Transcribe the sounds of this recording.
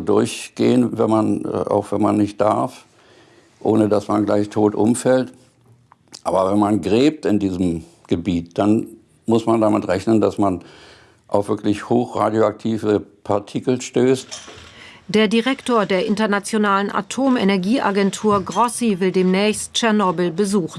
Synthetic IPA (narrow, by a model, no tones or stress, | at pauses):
dʊɐçɡ̥eːənvɛnman̰ʔa̰ʊxv̥ɛnma̰nːɪçt̚d̥aɐf | ʔoːnədasmanɡlaɪçtʰoːtʔʊ̰mfɛlt | ʔa̰ːbɐvɛnmanɡʁeːp̚tɪndiːzəm̩ | ɡ̥əbiːt̚d̥an | mʊsmandamɪtʁɛçnəndasman | ʔaʊfvɪɐklɪçhoːxʁa̰ːdjoak̚tʰiːvəpʰaɐtʰikl̩ʃtøːst | d̥eːɐdiʁɛktoːɐdeːɐʔɪntɐnat͡sjonaːlənʔa̰tʰoːmenɛɐɡiːʔa̰ɡɛntʰuːɐɡʁɔsivɪldeːmnɛːçstt͡ʃɛɐnɔbl̩bəzuːχn̩